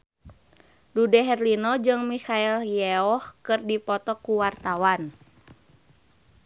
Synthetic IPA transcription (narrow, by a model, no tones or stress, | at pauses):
dudɛɦɛrlinɔd͡ʒɨŋmikailjɛɔhkɨrdipɔt̪ɔkuwart̪awan